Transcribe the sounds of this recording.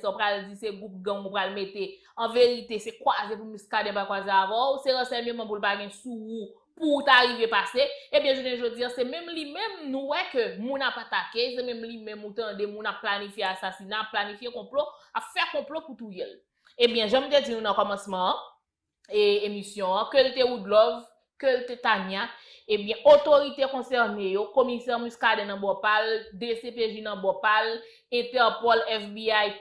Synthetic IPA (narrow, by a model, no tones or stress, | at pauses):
sãpʁald͡ziseɡup̚ɡãmũpɣalmet̪e | ɐ̃veʁit̪esekwazẽpumiskadɛ̃pakwazeavɔwseɣɐ̃sɛɲømɐ̃p̬ulpaɡɛ̃suu | puːt̪aɣivepaseebjɛ̃ʒonɛ̃ʒod͡ziãsɛmɛ̃mlimɛ̃mnũwɛkømũnapat̪akes̬emɛ̃mlimɛ̃mut̪ɐ̃demũnapːlanifjeasasinaapːlanifjekɔ̃ploapfɛkɔ̃ploput̪ujɛl | ebjɛ̃ʒãm̩t̪ed͡zinũnɐ̃kɔmɐ̃smɐ̃ | emisjɔ̃ɐ̃kølt̪eud̪lɔv | kølt̪et̪aɲjaebjɛ̃ʔot̪oʁit̪ekɔ̃sɛʁnejokomisɛʁmuskadɛ̃nɐ̃bɔpald̪esepeʒinɐ̃bɔpal | ɛ̃t̪ɛʁpɔlɛfbiaj